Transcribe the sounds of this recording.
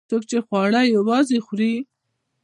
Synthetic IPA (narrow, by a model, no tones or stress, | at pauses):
t̪ok̚t͡ʃexwɑɽajawɑzexɾi